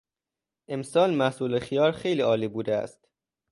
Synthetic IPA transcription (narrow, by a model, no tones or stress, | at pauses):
ʔe̞msɒːlmæhsuːlexijɒːɾxe̞jliːɒːliːbuːd̪eæ̰st̪